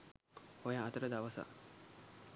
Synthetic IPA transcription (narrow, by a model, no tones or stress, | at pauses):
hojaːt̪əɾəd̪aʋɐsa̰